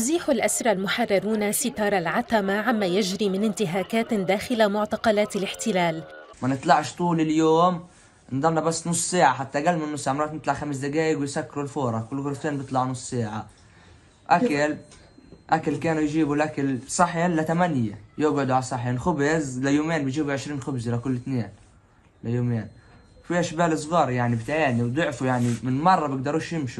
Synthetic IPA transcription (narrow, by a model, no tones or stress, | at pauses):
ʊziːħʊlʔasɾˤɑlmʊħɑrˤːɑɾˤuːnasɪt̪ɑːɾˤalʕat̪amaʕamːaːjaʒɾiːmɪnɪnt̪ɪɦaːkaːt̪d̪aːxɪlamʊʕt̪ɑqɑlaːt̪alɪħt̪ɪlaːl | manɪt̪ˤlɑʕʃt̪ˤuːlɪljoːm | ɪnd̪ˤɑnːɑbasːnʊsˤːseːʕaħat̪ːaɡalmɪnːʊsˤːʕɪmɾˤɑːt̪nɪt̪laʕxams̬d̪aɡaːjɪɡwɪjsakːɪɾulfoːɾˤɑkʊlːɣʊɾt̪eːnbɨt̪ˤlɑʕnʊsˤseːʕa | ʔakal | ʔakalkaːnujʒiːbulʔakalsˤɑħenlat̪amanjajɪbʕɪd̪uʕalsˤɑħiːnxʊbɪzlajoːmeːnbɪjʒiːbuʕɪʃɾiːnxʊbzilakʊlːɪt̪neːn | lajoːmeːn | wfihaʃbaːlɨsˤɣɑːɾˤjaʕnibt̪ʕaːniwd̪ʊʕfujaʕnimɪnmɑrˤːɑbɪɡ̚d̪ɑɾuːʃjɪmʃi